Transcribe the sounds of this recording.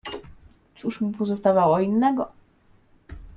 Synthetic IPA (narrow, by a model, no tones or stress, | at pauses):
tt̪suʂmupɔzɔst̪avawɔinːɛɡɔ